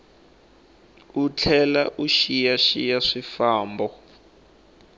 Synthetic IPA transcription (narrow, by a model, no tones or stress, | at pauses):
ut͡ɬʰɛlaʔuʃijaʃijaʂifaːmbɔ